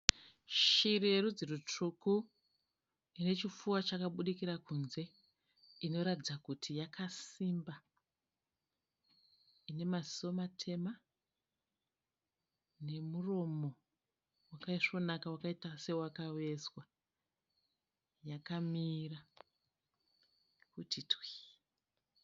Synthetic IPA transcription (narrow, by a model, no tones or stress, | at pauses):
ʃire̞ɾud͡zerut͡ʂuku | ine̞t͡ʃifuwat͡ʃakaɓuɗikiɾakunze̞ | ino̞ɾatid͡zakutʰijakʰasimba | ine̞maziomatʰe̞ma | ne̞muro̞mo̞ | wakaiʂo̞nakawakaitase̞wakawe̞swa | jakamiːra | kutʰitwi̥